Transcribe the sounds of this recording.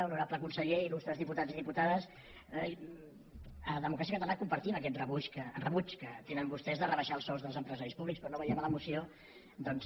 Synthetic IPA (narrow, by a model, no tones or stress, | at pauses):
unuɾapləkunsəʎeilust̪ɾəzðiput̪aziðiput̪aðəs | əðəmukɾasiəkət̪alakumpəɾt̪iməkɛt̪rəβut͡ʃkəːnrəβut͡ʃkət̪enəmbust̪ɛzðərəβəʃalˠsɔzðəlzəmpɾəzaɾispuβlikspɾɔnːoβəjɛmələmusio | d̪ɔns